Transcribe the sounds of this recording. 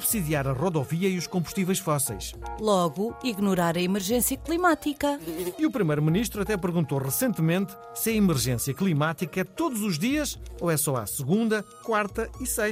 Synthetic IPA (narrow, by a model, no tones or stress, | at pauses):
uβsiðiaɾɐʁɔðɔviɐiuʃkõmbu̥ʃt̪ivɛjʃfɔsɛ̰jʃlˠɔɣuiɣnuɾaɾɐimɨɾʒẽsjɐklˠimat̪ikɐiupɾimɐjɾuminiʃt̪ɾuɐt̪ɛpɨɾɣũnt̪oʁɨsẽnt̪mẽnt̪ | sɨɐimɨɾʒẽsjɐklˠimat̪ikɐɛt̪oðuzuʒðiɐʃoɛsɔa̰sɨɣũnd̪ɐkwaɾt̪ɐisɐj